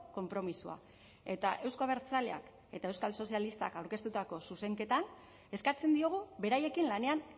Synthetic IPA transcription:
ko̞mpɾo̞misua̰ | e̞t̪a̰ʔe̞wskaβ̞e̞ɾt͡salea̰k | e̞t̪ae̞wskalso̞sialist̪a̰kawɾke̞st̪ut̪ako̞suse̞ŋke̞t̪an | e̞skat͡se̞nd̪io̞ɣ̞uβe̞ɾaje̞kinlane̞an

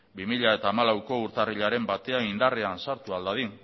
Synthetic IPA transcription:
bimiʎae̞t̪aːmalawko̞uɾt̪ariʎaɾe̞mbat̪e̞aind̪areansaɾt̪uald̪að̞in

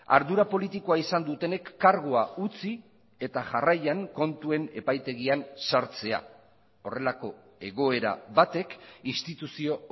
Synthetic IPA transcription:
a̰ɾðuɾapo̞lit̪iko̞aisand̪ut̪e̞ne̞kːaɾɣoaut͡si | e̞t̪aʝarajaŋko̞nt̪ue̞ne̞pajt̪e̞ɣ̞iansaɾt͡se̞a̰ | o̞re̞lako̞ | e̞ɣ̞o̞e̞ɾa̰βat̪e̞kinst̪it̪usio̞

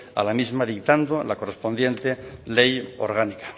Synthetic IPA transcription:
a̰lamizmaðikt̪and̪olako̞respo̞nd̪je̞nt̪elejo̰ɾɣanikḁ

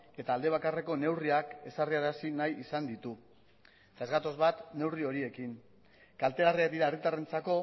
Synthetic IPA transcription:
e̞t̪aːld̪e̞β̞akare̞ko̞ne̞wriake̞sariaɾasinajisand̪it̪u | et̪aezɣat̪o̞zβat̪ne̞wrio̞ɾie̞kin | kalt̪e̞lariak̚d̪iɾaerit̪are̞nt͡sako̞

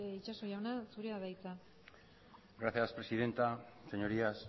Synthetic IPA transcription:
it͡ʃaso̞ʝawnasuɾeaðajt͡sa | ɡɾaθjaspɾe̞siðe̞nt̪ase̞ɲo̞ɾias

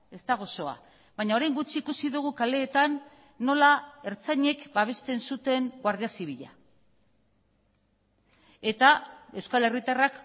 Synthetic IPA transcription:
e̞st̪aɣ̞o̞so̞a̰ | βaɲao̞ɾajŋɡut͡ʃiːkusiðuɣ̞ukale̞ːt̪anː | o̞lae̞ɾt͡saɲe̞kbaβ̞e̞st̪e̞nsut̪e̞ŋɡwaɾð̞iasiβiʎa̰ | e̞t̪ae̞wskale̞rit̪arak

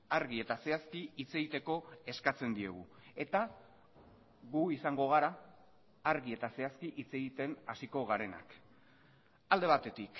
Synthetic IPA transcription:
aɾɣie̞t̪ase̞askiit͡se̞ɣit̪e̞ko̞e̞skat͡se̞nd̪ie̞̰ɣṵe̞t̪a | ɣuisaŋɡo̞ɣ̞aɾaː | ɾɣie̞t̪ase̞askiʔit͡se̞ɣit̪e̞nasiko̞ɣaɾe̞na̰k | ald̪e̞βat̪e̞t̪ik

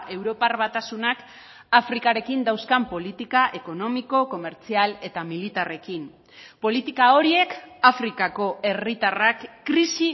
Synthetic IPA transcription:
e̞wɾo̞parβat̪asunak | afɾikaɾe̞kind̪awskampo̞lit̪ikaʔe̞ko̞no̞miko̞ko̞me̞ɾt͡siale̞t̪amilit̪are̞kim | po̞lit̪ikao̞ɾie̞kafɾikako̞e̞rit̪arakːɾisi

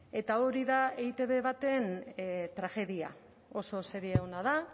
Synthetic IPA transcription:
e̞t̪ao̞ɾiðaeit̪e̞βe̞βat̪e̞nt̪ɾaʝe̞ðia̰ | o̞so̞se̞ɾieɣonaða

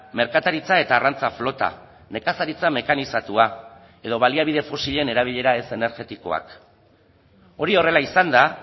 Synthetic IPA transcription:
me̞ɾkat̪aɾit͡sae̞t̪aːrant͡saflo̞t̪a̰ | ne̞kasaɾit͡same̞kanisat̪ua | e̞ðo̞βaliaβ̞iðe̞fo̞siʎe̞ne̞ɾaβ̞iʎe̞ɾae̞se̞ne̞ɾɣe̞t̪iko̞̰a̰k | o̞ɾio̞re̞laisand̪a

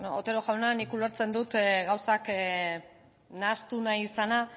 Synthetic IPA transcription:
noot̪e̞ɾoʝawnanikuleɾt͡se̞nd̪ut̪ɣawsak | nast̪unajisana

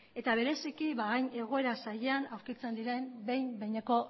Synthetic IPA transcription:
e̞t̪aβ̞e̞ɾe̞sikiβaɣajɲe̞ɣ̞o̞e̞ɾasaʎe̞anawɾkit͡se̞nd̪iɾe̞mbe̞jmbe̞jɲeko̞

